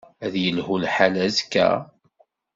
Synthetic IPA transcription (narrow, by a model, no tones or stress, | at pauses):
æðjəlhulħalæzkːæ̰